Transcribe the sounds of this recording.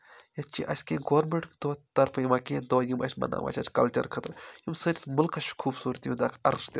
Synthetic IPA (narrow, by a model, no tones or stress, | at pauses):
jɐt͡ʃiʔɐskeɡoːɾmeɳʈd̪oːt̪ɐɾpʰɐjimɐkʲed̪oːjimɐ̰ʃmɐ̰na̰mʔɐ̰t͡ʃʰʲɐt͡ʃkɐlt͡ʃɐ̰ɾkʰɐt̪ɾjimsɐʈsmʊlkɐʃkʰuːbsuːɾt̪ijũd̪akʰɐɾst̪e